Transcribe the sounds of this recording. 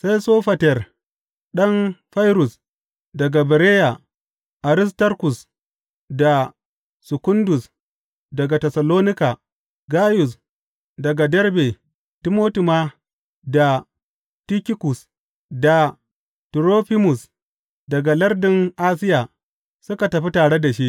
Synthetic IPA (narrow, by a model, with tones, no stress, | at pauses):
sa˦jsoː˦ɸɐ˨tɛ˨r | ɗɐ˦nɸa˦jɾʊ˨s | dɐ˨ɡa˨bɛ˨ɾeː˦ja˨ | ʔa˨ɾɪ˦s̬tɐ˦ɾkʊ˨s | da˨ | sɪ˨kʊ˦ndʊ˨s | dɐ˨ɡa˨tɛ˨sɐ˨loː˦nɪ˦ka˨ | ɡaː˦jʊ˨s | dɐ˨ɡa˨dɛ˦ɾbe˨ | tɪ˦moː˦ti˨ma˦ | da˨ | ti˦kʲɪ˦kʊ˨s | da˨ | tɾoː˦ɸi˦mʊ˨s | dɐ˨ɡa˨lɐ˦rdɪ˨ŋʔaː˦s̬ɪ˦jaː˨ | sʊ˦ka˨tɐ˨ɸi˦taː˨ɽe˦da˨ʃi˦ʔ